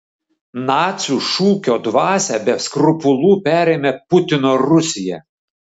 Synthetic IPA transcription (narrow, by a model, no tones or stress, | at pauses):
nɑːt̪sʲuːʃuːkʲoːd̪ʋɑːsʲɛbʲɛskɾʊpʊlˠuːpʲæːɾʲɛɪmʲɛpʊt̪ʲɪnoːɾʊsʲɪjɛ̰